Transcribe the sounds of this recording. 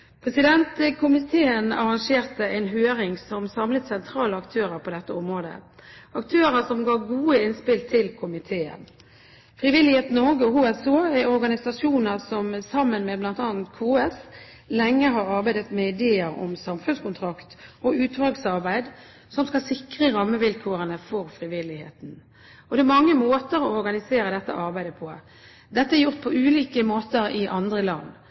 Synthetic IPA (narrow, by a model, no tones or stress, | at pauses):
pʰɾɛsɪd̪ɛnt̪əkʰʊmɪt̪ʰeːənɑ̰ʁɑŋʂeːʁt̪əɛɪnɦøːɾɪŋsɔmsɑmlət̪sɛnt̪ʰɾɑːləɑkt̪ʰøːɾəpʰɔd̪ɛt̪ːəɔmɾoːd̪ə̰ɑkt̪ʰøːɾəsɔmɡɑːɡuːəɪnspɪlt̪ʰɪlkʰʊmɪt̪ʰeːə̰n | fɾɪʋɪlːɪheːt̪noɡəɔhuːɛsoːæɔɾɡɑnɪsɑʂuːnəɾsɔmsɑmːənmɛblɑnt̪ɑːnt̪kʰuːɛs | lɛŋːəɦɑɾɑʁbæɪd̪ət̪mɛɪd̪eːəɾɔ̰msɑmfʉnskʊnt̪ʰʁɑkt̪ɔʉːt̪ʋɑɡsɑʁbæɪd̪ | sɔmskɑlsɪkʁəʁɑmːəʋɪlkʰoːʁənəfɔʁfʁɪʋɪlːɪhḛːt̪n̩ | ɔd̪ɛæɾmɑŋːəmoːt̪əɾɔɔɾɡɑnɪseːɾəd̪ɛt̪ːə̰ʔɑʁbæɪd̪əpʰɔ | d̪ɛt̪ːəɛɾjʊʁt̪̚pʰɔʉːliːkəmoːt̪əɾɪʔɑnd̪ʁəlɑnː